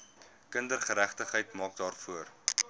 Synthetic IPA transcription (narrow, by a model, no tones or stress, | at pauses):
kəndərχəɾæχtəχɦəjtmɑːk̚dɑːrfuər